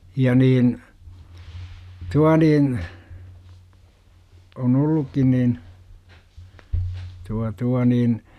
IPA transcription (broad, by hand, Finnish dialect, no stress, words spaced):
jɑ niːn tuɑ niːn on olːukːin nin tuɑ tuɑ niːn